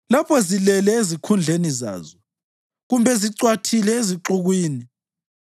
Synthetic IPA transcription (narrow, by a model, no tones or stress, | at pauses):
lapʰɔzilɛlɛezikʰund͡ɮʱeniza̰ːzɔ | ɣumbʱɛziǀwatʰilɛeziǁuɣwiːni